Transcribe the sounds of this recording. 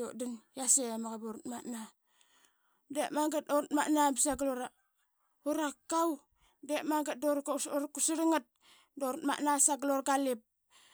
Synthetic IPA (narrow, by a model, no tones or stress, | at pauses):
o̰dinjasemaɣaboɾutmana | demaŋɡat̚oɾt̚maʔnabisaɡloɾa | uɾakːaw | demaŋɡat̚doɾɾkusiɾiŋat̚ | doɾtma̰ʔnasaɡloɾɡalip̚